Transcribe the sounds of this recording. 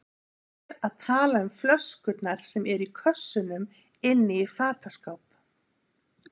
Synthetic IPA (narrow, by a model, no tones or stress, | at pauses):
ɾaðt̪ʰaːlaʏmflœskʏt̪naɾ̥sɛmɛɾikʰœsːʏnʏm | ɪnːɪifaːt̪askawp